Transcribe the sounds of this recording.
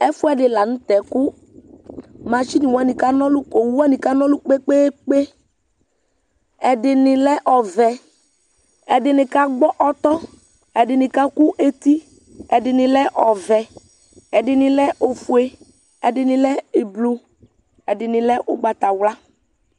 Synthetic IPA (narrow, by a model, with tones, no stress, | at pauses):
ɛ˦fʊ˦ɛ˦˨ɖɪ˨la˨ñ̩˦t̪ɛ˨kʊ˦ | mã˨t͡ʃi˦ni˨wa˨nĩ˨ka˦nɔ̃˦lʊ˦o˨wu˦a˦nĩ˨ka˦nɔ̃˦lʊ˦k͡pe˦k͡peː˦k͡pe˦ | ɛ˨dɪ˨nɪ˨lɛ˦ʔɔ˨vɛ˨ | ɛ˨dɪ˨nɪ̃˨ka˦ɡ͡bɔ˦ʔɔ˦t̪ɔ˦ | ɛ˨dɪ˨nɪ̃˨ka˦kʊ˦ʔe˦t̪i˦ | ɛ˨dɪ˨nɪ̃˨lɛ˦ʔɔ˨vɛ˨ | ɛ˨dɪ˨nɪ̃˨lɛ˦ʔo˨fu˨e˦ | ɛ˨dɪ˨nɪ̃˨lɛ˦e˨blu˨ | ɛ˨dɪ˨nɪ̃˨lɛ˦ʔʊ˦ɡ͡ba˨t̪a˨wla˦